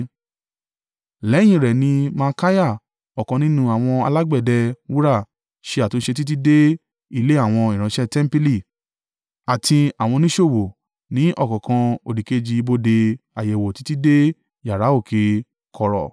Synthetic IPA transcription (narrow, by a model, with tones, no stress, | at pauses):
lɛ˨˦j̃ĩ˧˨ɾɛ˨nĩ˧mã˧ka˦ja˦˨ | ɔ˨kɔ̃˧˦nĩ˦nũ˧a˨w̃ɔ̃˧a̰˧la˦ɡ͡bɛ˦˨dɛ˧˦wu˦ɾa˦˨ | ʃe˧˦a˨to˨˦ʃe˧t̬i˦t̬i˦de˦ | i˧le˦a˦˨w̃ɔ̃˧i˨ɾ̃ã˨˧˦ʃɛ˦tɛ˦m˦pi˦li˦˨ | a˨tʰi˧a˨w̃ɔ̃˧nĩ˦ʃo˦˨wo˨ | nĩ˨˦ʔɔ˦˨kɔ̃˨kã˧o˨di˨ke˧d͡ʒi˧i˧bo˧de˧a˨jɛ˨wo˨ti̥˨˦ti˦de˦ | ja˨ɾa˨˦o˦˨kʰe˨˦ | kʰɔ˧ɾɔ̰˨